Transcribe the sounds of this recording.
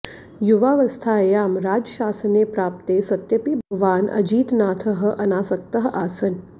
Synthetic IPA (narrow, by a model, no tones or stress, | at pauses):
juʋaːʋɐst̪ʰaːjaːmɾaːd͡ʒəʃaːsəneːpɾaːp̚t̪eːsɐt̪jɐpibʱɐɡʋaːnʔɐ̰d͡ʒiːt̪naːt̪ʰəɦə̆ʔɐnaːsɐk̚t̪ɐɦəʔaːsɐn